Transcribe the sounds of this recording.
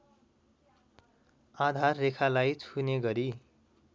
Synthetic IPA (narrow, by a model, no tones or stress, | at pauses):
ad̪ʱarːekʰalajt͡sʰuneɡʌɾi